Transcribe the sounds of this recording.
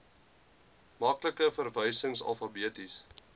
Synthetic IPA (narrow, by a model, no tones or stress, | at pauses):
mɑkləkəfərvəjsəŋsɐ̰lˠfɑbiətis